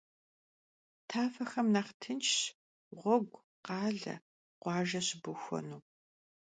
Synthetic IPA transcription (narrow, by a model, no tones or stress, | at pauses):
tʰaːfɐxɐmnaχtʰɨnt͡ʃʃ | ʁʷɔɡʷ | qɑːɮɐ̰ | qʷɑːʒɐɕbɨxʷɔ̰nuː